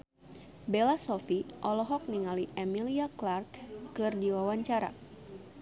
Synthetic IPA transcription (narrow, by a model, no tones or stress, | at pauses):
belasɔfiʔɔlɔɦɔk̚niŋaliʔemiliaklarkːɨrdiwawaɲt͡ʃaɾa̰